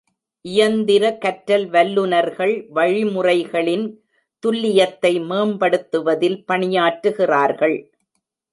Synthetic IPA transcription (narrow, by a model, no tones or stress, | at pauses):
ʔɪjɐnd̪ɪɾɐkɐʈɾɐlʋɐlːɯnɐɾɣɐɭʋɐɻɪmʊrɐɪɣɐɭɪn | t̪ʊlːɪjɐt̪ːɐɪmeːmpɐɽɯt̪ːɯʋɐðɪlpɐɳɪjaːʈɾɯɣɪraːɾɣɐɭ